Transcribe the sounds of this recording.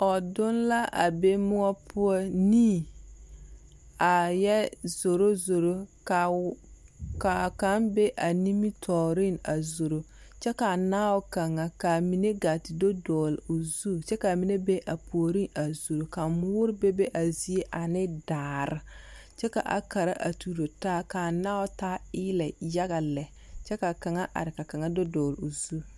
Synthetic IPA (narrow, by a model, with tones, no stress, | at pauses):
ɔ˨dʊ˦nla˦ʔa̰˨be˦mʊ˦ɔ˦pʰʊ˦ɔ˦niː˦˨ | a˨jɛ˦z̥o˨ɾo˦zo˨ɾo˦ka˨ | ka˨ka˦nbe˦ʔa˨ni˦mi˦tʰɔː˨ɾɪ˦na˨zo˨ɾo˦ | t͡ʃɛ˦ka˨naː˦ʊ˦ka˨ŋa˨ka˨mi˨ne˦ɡa˨tɪ˨do˦dɔː˨lo˨zu˦t͡ʃɛ˦ka˨mi˨˦ne˦be˦ʔa˨pʰo˨ɾi˦na˨zu˨ɾo˨ka˨mʊː˦ɾɪ˦be˦be˦ʔa˨zi˦e˦ʔa˨nɪ˦daː˨ɾɪ˦ | t͡ʃɛ˦ka̰˨ʔa̰˨ka˨ɾa̰˦ʔa̰˨tu˨ɾo˨taː˦ka˨naː˦wʊ˦taː˦ɪː˦lɛ˨ja˦ɣa˨lɛ˨ | t͡ʃɛ˦ka˨ka˨ŋa˦ʔa̰˨ɾɪ˨ka˨ka˨ŋa˦do˦dɔː˨lu˨zu˦˨